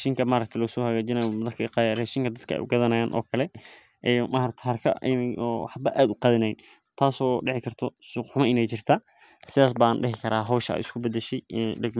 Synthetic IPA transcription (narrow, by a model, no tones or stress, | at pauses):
ɛʃiŋkʰɐmaːɾɐk̚t̪ʰɛlɔsɔːhɐɣaːd͡ʒɪnɐjɔmɐðɐrkʰɐqɑjrɛːʃiːŋkʰɐd̪ɐd̪kʰɐɛ̰jʔʊ̰ɡɐðɐnɐjaːnʔɔ̰ːkʰɐlɛ | ʔɛmaːɾɐk̚t̪ʰɛɦɐrkʰɐ̰ʔɪnɔħɑbɐʔaːd̪ʊqɑːðɪnɛjɪ | t̪ʰaːsɔːɖɪʕɪkʰɐrt̪ʰɔsʊħʊmɐɪnɛjt͡ʃɪrt̪ʰaː | sɪðaːs̬banɖɪɦɪkʰɐɾaːɦɔwʃɐɛ̰jʔɪskʰʊbɐd̪ɛʃɛjɖɐɡm